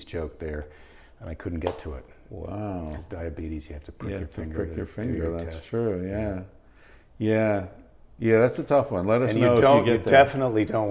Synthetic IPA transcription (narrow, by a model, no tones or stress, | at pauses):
z̥t͡ʃʰoʊk̚ðə˞ | ə̃naɪkʰʊdⁿn̩ɡ̥ɛtʰəɪ̰t̚wa̰ʊzdaɪɨbiɾizjɨhæftɨpʰɹ̥ɪkjə˞ɪ̃ŋɡəɹɪjə˞fɪ̃ŋɡə˞ðæstʰɹ̥ʉjæ | jæ | jæðætsɨtʰʌfwʌ̃nlɛɾʌ̃njnɨoʊɨõʊɨɡɛt̪̚ðɛfənətˡlidõʊ̃n